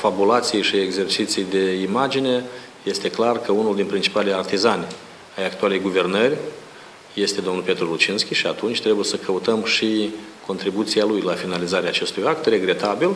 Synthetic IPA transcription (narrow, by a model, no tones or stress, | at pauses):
fabulat̪sijejʃieɡze̞rt͡ʃit̪sijd̪e̞imad͡ʒine̞ | je̞st̪e̞klarkəunuld̪inpɾint͡ʃi̥palejart̪izanʲ | ajakt̪uale̞jɡuve̞rnərʲ | je̞st̪e̞d̪onupe̞t̪ɾulut͡ʃinskʲiʃiat̪unt͡ʃʲt̪ɾe̞buje̞səkʰəut̪əmʃiko̞nt̪ɾibut̪sialujlafinalizaɾeaːt͡ʃe̞st̪ujakt̪re̞ɡɾe̞t̪abil